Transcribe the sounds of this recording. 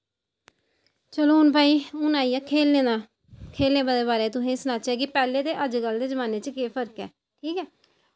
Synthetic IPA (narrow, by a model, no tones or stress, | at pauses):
t͡ʃəloːɦʊnpaːiːʊnaːijaːkʰeːlẽːd̪aː | kʰeːlẽːbad̪eːbaːɾeːt̪ʊsẽːsnaːt͡ʃɛːkɪpɛːleːd̪eːʔəd͡ʒɡəld̪eːd͡ʒəmaːneːt͡ʃəkeːpʰəɾkɛ̰ː | ʈʰiːkɛː